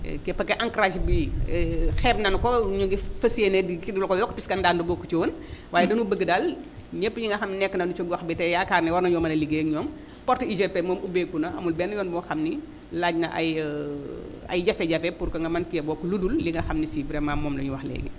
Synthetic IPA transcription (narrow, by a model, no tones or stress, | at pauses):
kɛpɐkːɛʔɐŋkɾaːʃbi | xɛːbnɐnkɔɲuɡifɐsienɛdikinulkɔjɔkːpiskɐndaːndubɔkːut͡ʃiwonwaːjɛdɐnubəɡədal | ɲəpːɲiŋɡɐxɐmninɛkːənɐndut͡ʃɔɡwɐxbitɛjakaːrnɛwɐnɐɲɔːmɐlɐliɡeːɲɔːm | pɔrtəiʒɛpːɛmɔːmubekːunɐɐmulbɛnːjɔːnbɔxɐmni | laːɟnɐʔɐ̰j | ɐ̰jɟɐfɛɟɐpɛpurkɐŋɡɐmɐnkiɛbɔːkːɔludulːiŋɡɐxɐmnisiːbɾɛmamɔːmlɐɲuwɐxlɛ̰ːɡɛ̰